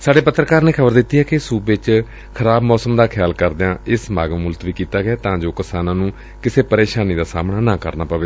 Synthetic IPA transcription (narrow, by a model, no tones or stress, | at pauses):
saːɖeːpət̪ːɾəkaːɾnẽːkʰəbəɾd̪ɪt̪ːiːɦɛːkɪsuːbɪt͡ʃ | kʰəɾaːbmɔːsəmd̪aːkʰjaːlkəɾd̪eãːɪsmaːɡəmːʊlt̪ʋiːkiːt̪aːɡɛːt̪ãːd͡ʒoːkɪsaːnãːnũː | kɪseːpəɾeːʃaːniːd̪aːsaːmnaːnãːkə̰ɾnaːpaːʋeː